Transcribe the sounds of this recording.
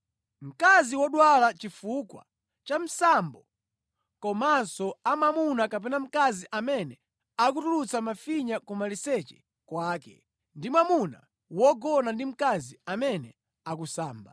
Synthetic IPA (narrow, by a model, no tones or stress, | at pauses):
m̩kaziwɔɗwalat͡ʃifukwa̰ | t͡ʃam̩sambɔ | kɔmansɔamamunakap̬ɛnam̩kaziʔamɛnɛ | ak̬utulut͡samafiɲakɔmalisɛt͡ʃɛ̥ | kwaːkɛ̰ | ndimwamuna̰ | wɔɡɔnandim̩kaziamɛnɛ | akusaːmba